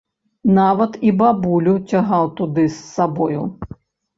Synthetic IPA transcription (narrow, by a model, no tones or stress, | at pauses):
navɐt̪ibabulʲut͡sʲaɦawt̪ud̪ɨsːabɔjṵ